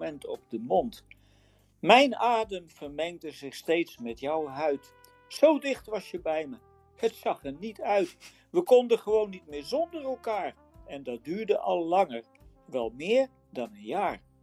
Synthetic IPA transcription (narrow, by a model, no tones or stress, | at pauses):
ɛntɔ̰b̚dəmɔnt | mɛjnaːdəmv̥əɹmɛŋdəzɪχstejtsmɛtjʌwɦœɥt | sowdɪχtʋɑsjəbɛjmə | hətsɑχənitʰœɥt | ʋəkɔndəχəʋownːitmɪːɹzɔndərɛlˠkaːɹ | ɛndɑt̚dyːɹdəʔɑlˠːɑŋəɹ | ʋɛlˠmɪːɹ | dɑnənjaːɹ